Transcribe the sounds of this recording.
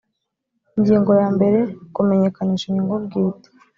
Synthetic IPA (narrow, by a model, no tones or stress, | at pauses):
iɲɟiːŋɡo̞jaːmbe̞ɾe̞kume̞ɲe̞kaniːʃiɲɟiːŋɡobɡiːte̥